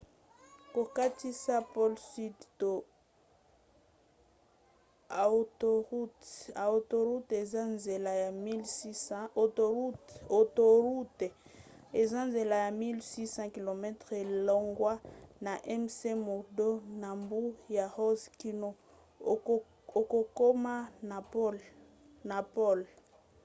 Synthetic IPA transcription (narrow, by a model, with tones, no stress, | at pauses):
ko˨ka˦ti˦sa˦pɔ˦lsi˦dto˨ | a˨to˨ʁu˦ta˨o˨to˨ʁu˦te˨za˦nze˨la˨ja˨mi˦lso˨to˨u˦to˨to˨ʁu˦te˨e˨za˦nze˨la˨ja˨mi˦lsi˦sɑ̃˦ki˨lo˨mɛ˦tʁe˨lo˦ŋɡwa˦na˨ʔɛ˦mse˦mo˨do˦na˨mbu˦ja˨ho˦zki˦no˦ | o˨ko˨ko˦ma˦n˨p | na˨po˦l